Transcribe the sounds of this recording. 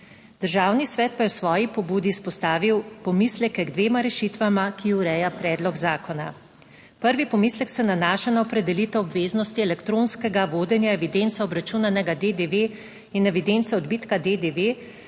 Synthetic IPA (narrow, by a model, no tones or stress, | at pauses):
d̪̥əɾʒaːwnisʋɛːt̪̚pajɛwsʋɔːjipɔbuːd̪ispɔst̪aːʋiwpɔmislɛkɛɡd̪ʋeːmaɾɛʃit̪ʋamakiuɾɛːjapɾɛːd̪lɔɡzaːkɔna̰ | pəɾʋipɔmiːslɛksɛnanaːʃanaɔpɾɛd̪ɛliːt̪ɛwɔbʋeːznɔst̪iɛlɛkt̪ɾoːnskɛɡaʋoːd̪ɛnjaɛʋid̪ent̪saɔbɾat͡ʃuːnanɛɡad̪ed̪eʋe | inɛʋid̪ent̪sɛɔd̪biːt̪kad̪ed̪eʋe